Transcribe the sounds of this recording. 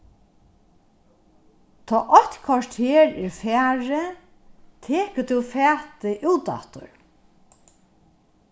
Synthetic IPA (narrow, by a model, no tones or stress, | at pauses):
t̪ʰɔːʔɔht̪kʰvɔʂt̪heːɾɛɹfæːɹɪ | t̪ʰeːkət̪ʰuwfɛːt̪ɪʔuːt̪a̰ht̪ʊ̰ɹ